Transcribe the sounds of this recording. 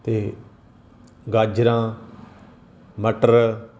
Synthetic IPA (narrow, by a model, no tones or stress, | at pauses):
t̪eː | ɡaːd͡ʒɾãː | məʈəɾ